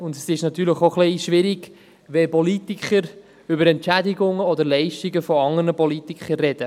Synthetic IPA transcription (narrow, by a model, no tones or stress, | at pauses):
ʊnd̪sɪʃnɑt̪yːɾləχoχliʃʋɪɾiɡ̥ | ʋɛpɔlit̪ikχəɾ | ʏbəɾɛntt͡ʃæd̪iɡʊŋəɔd̪əɾlɛɪʃtiɡəfɔɑŋəɾnəpɔlit̪ikərːɛd̥̪ə